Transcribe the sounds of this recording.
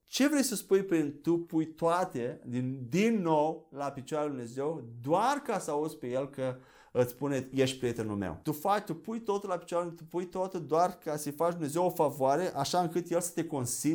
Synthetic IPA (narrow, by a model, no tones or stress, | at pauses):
t͡ʃe̞vɾe̞jsəspujpɾint̪upujt̪oat̪ed̪id̪inːo̞wlapit͡ʃoaɾaljd̪umne̞ze̞wd̪oarkasəauzpe̞je̞lkə | ɨt̪spuneje̞ʃ̚ʲpɾijet̪enṵlmḛwt̪ufat͡ʃt̪upujt̪o̞t̪ulapi̥t͡ʃaɾjat̪upujt̪oat̪əd̪oarkasəjfat͡ʃd̪umne̞zewofavoaɾe̞ʔaʃaɨŋkɨt̪jelsə̥t̪e̞ko̞nsi